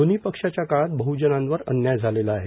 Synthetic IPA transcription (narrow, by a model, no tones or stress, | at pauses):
onipəkʂat͡ɕjakaɭat̪̚bəɦud͡ʑənãnʋəɾə̰njajd͡zʱalelaːɦe